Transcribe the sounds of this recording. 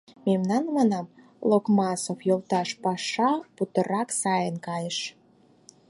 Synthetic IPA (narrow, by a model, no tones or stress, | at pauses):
memnɑnmɑnɑm | lokmɑsofjolt̪ɑʃpɑʃɑput̪əɾɑksɑjənkɑjəʃ